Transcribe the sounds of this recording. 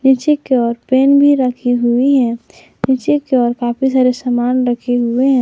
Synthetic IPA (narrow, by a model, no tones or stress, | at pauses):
nɪt͡ʃɪkːeɔːɾpeːnbʱiɾəkʰiɦʊiɦɛ̃ː | nɪt͡ʃɪkːeɔːɾkaːpʰis̬aːɾesəmaːnɾəkʰeɦʊeɦɛ̃